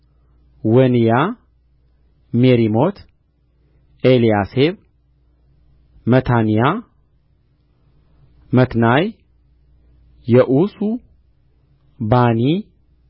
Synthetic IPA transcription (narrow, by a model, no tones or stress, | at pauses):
wənija | meɾimo̞t̪ʰ | elijaseβ | mət̪ʰanija | mət̪naj | ɛʔusu | bani